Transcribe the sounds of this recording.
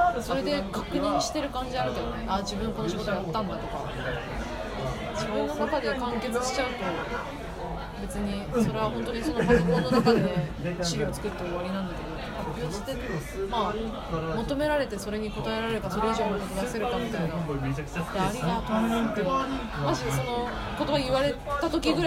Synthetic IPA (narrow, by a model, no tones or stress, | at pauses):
soɾe̞d̪e̞kakɯ̟ɲ̟ĩɰ̃ɕi̥t̪e̞ɾɯ̟kãɲ̟d͡ʑiaɾɯ̟t̪ejnead͡ʑibɯ̟̃ŋko̞noɕiɡo̞t̪oaat̪ːãnd̪at̪o̞ka̰ | d͡ʑibɯ̃nːonakad̪e̞kãŋke̞t͡sɨɕi̥t͡ɕaɯ̟t̪o̞ | be̞t͡sɨɲ̟iso̞ɾe̞β̞ahõ̞nt̪o̞ɲ̟iso̞nopakiko̞nnːonakad̪ene | ɕiɾʲiːt͡sɨ̥kɯ̟t̪ːe̞oβaɾʲinãnd̪ake̞d̪o̞hapʲːijo̞ɕt̪e | maː | mot̪o̞me̞ɾaɾe̞t̪e̞so̞ɾe̞ɲ̟iko̞t̪ae̞ɾaɾe̞t̪aso̞ɾe̞iʑo̞ːnokot̪oɡ̪ase̞ɾɯt̪amʲit̪ainḁ | d̪eaɾʲiaβa | maʑiso̞no̞ | ko̞t̪o̞βaiβaɾe̞ | t̪at̪o̞kʲiɡɯ̟ɾ